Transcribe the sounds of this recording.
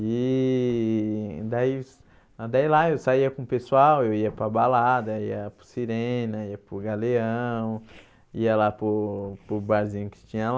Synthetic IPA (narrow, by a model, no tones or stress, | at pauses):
i | d̪ai | d̪ailaewsaiɐkõpesuawewiɐpɾɐbalad̪ɐiɐpɾʊsiɾẽnɐiɐpʊɡaleɐ̃w̃ | iɐlapʊpʊbazĩɲʊkɪ̥t͡ʃĩɲɐl